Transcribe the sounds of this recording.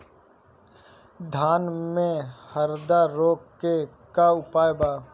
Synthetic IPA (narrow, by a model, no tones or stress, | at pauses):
d̪ʱaːnmẽhəɾd̪aɾoːkːekaʊpaːjbaː